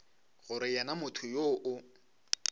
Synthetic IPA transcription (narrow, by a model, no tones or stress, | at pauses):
ɣʊɾɪjɛnamʊtʰʊjoʔʊ